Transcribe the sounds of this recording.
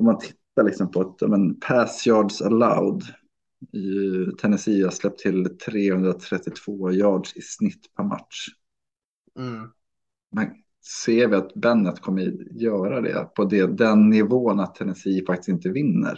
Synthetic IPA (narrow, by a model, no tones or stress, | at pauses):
ɔmːant̪ʰɪt̪ːalɪksɔmpʰɔat̪jɑ̰ːmɛnpʰæsjɑːɖʂala̰ʊd̪ | t̪ʰɛnɛsiːaslɛp̚t̪ʰːɪlt̪ʰɾeːhɵnd̪ɾat̪ʰɾɛt̪ːɪt̪ʰv̥oːjɑːɖʂɪsnɪt̪ːpʰæɾma̰t̪ʂ | mɛn | seːɾvɪat̪bɛnːət̪kʰɔmːəjœːɾad̪ɛ̰pʰɔd̪ɛd̪ɛnːɪvoːnat̪ʰːɛnɛsiːfak̚t̪ɪ̥st̪ɪnt̪əvɪnːə̰ɾ